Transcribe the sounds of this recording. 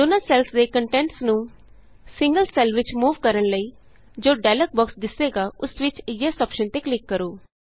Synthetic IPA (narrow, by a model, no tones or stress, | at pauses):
d̪ʊnəlsɛlsd̪eːkəɳʈɛ̃ɳʈsnũː | sɪ̃ŋɡəlsɛlʋɪt͡ʃmuːʋkəɾəɳləiː | d͡ʒoːɖaːlək̚bɔksd̪ɪseːɡaːʊsʋɪt͡ʃɪjeːsɔːpʃənt̪eːklɪkːəɾoː